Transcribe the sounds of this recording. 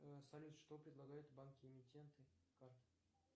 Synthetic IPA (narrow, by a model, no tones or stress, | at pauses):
sɐlʲut̪ʂt̪opɾʲɪd̪lˠɐɡajʊt̪bankʲɪɪmʲɪtʲːe̞nt̪ɨkart̪